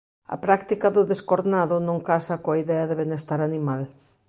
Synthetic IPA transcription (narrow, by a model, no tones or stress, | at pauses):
ɐ̰pɾakt̪ikɐðʊðeskoɾnaðʊnõŋkasɐkoaiðɛɐðɪβenest̪aɾanimal